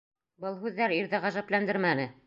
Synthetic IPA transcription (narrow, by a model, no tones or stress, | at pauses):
bɤlˠɦʉðːæɾiɾðɘʁæʒæplænd̪ɘɾmænɘ